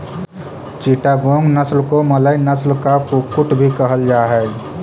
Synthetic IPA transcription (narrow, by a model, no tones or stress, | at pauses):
t͡ʃiʈaɡõŋɡnəslkomələinəslkakukːuʈbʱikəɦəld͡ʒaɦɛː